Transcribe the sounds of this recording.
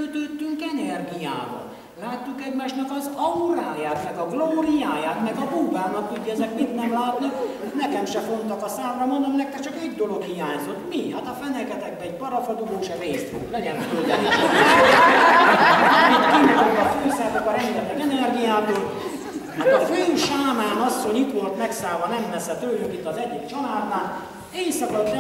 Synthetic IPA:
øt̪øːt̪ːyŋkɛnɛrɡija̰ːbɒ̰ | laːt̪ːukɛɟmaːʃnɒkɒzɒuɾaːjaːt̪mɛɡɒɡloːrijaːjaːt̪mɛɡɒbuːbaːnɒkt̪uɟːɛzɛkmit̪nɛmlaːt̪nik | nɛkɛmʃɛfo̞nt̪ɒkɒsaːmrɒmond̪omnɛk̚kːɛt͡ʃɒkeɟd̪o̞lo̞khijaːɲzot̪mihat̪ɒfɛnɛkɛt̪ɛɡ̚bɛːɟ̚bɒɾɒfɒd̪uɡoːʃɛreːst̪foɡt̪lɛɟɛnføld̪ɛni | ɛɛit̪kint̪olt̪ɒføːsɛt̪kɒɾɛmeːɛt̪ːɛɡɛnɛrɡijaːbi | hat̪ɒføːʃaːmaːnɒsːo̞ɲit̪ʋo̞lt̪mɛksaːvɒnɛmvɛsɛt̪øːlyŋkit̪ːɒzɛɟːikt͡ʃɒlaːd̪aːn | eːjsɒkɒt̪nɛ

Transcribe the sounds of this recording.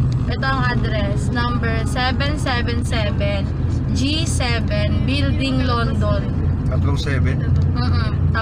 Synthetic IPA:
ʔɛt̪oɐŋʔad̪ɾɛsnɐmbɛɹsɛvɛnsɛvɛnsɛːvɛn | d͡ʒi | sɛvɛnbild̪ɪŋlond̪on | kɐt̪loŋsɛːvɛnɐnoʔoːʔ

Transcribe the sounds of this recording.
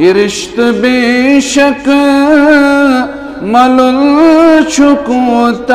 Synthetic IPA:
iɾɪʃt̪beʃɐk | mɐlult͡ʃʰukut̪

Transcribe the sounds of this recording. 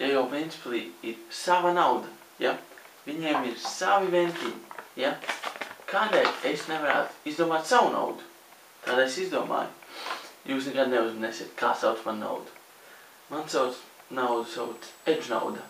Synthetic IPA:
jajawpɛnt̪sʲi̥plˠiːiɾsavanawd̪a | ja̰ | viɲiɛmiɾsavivɛnʲt̪ʲija | kʰaːd̪ɛʎesnɛvaɾa̰ːt̪izd̪uɔmaːt̪ʲsawuna̰wd̪u | t̪ʰaːd̪aesizd̪uɔma̰ːjujuːs̬nɛɡad̪neuzmineːsʲiːt̪̚kʰaːsawt̪manːa̰wd̪u̥ | mansaw̪ | nawd̪usawed͡ʒna̰wd̪a

